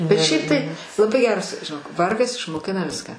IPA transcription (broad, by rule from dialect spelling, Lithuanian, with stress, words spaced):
bʲɛt ˈʃʲɛɪp tɐɪ lˠɐˈbɐɪ ˈɡʲæːrɐs ʒʲɪˈnoːk ˈʋɐrɡɐs ɪʃmoːˈkʲɪnɐ ˈʋʲɪskɑː